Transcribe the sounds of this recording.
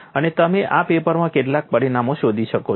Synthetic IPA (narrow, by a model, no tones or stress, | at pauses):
ənet̪əmeʔapepəɾmãkeʈlak̚pəɾiɳamoʃod̪ʱiʃəko